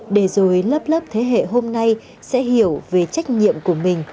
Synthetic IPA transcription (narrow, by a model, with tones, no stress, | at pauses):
ɗe˧˩zo˨˩jləː˦˥p̚lə˦˥p̚t̪ʰe˨˦ɦḛ˧˨ɦo˧mna˧j | sɛ̰˧˥ɦi˧˩˨əwve˨˩t͡ɕa˦˥jk̟̚ɲḭ˧˨əmku˧˩əmï˨˩ŋ̟